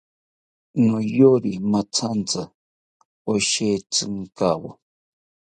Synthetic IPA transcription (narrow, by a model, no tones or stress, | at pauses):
nojoɾimat͡sʰant͡sa | oʃet͡sɨŋkawo̰